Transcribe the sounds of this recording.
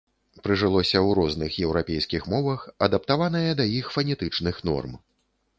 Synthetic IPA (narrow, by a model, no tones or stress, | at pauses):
pɾɨʐɨlˠɔsʲɐwɾɔznɨxjɛwɾapʲejskʲixmɔvɐxɐd̪ɐpt̪avan̪ɐjɐd̪ɐjixfɐnʲɛt̪ɨt͡ʂnɨxn̪ɔ̰rm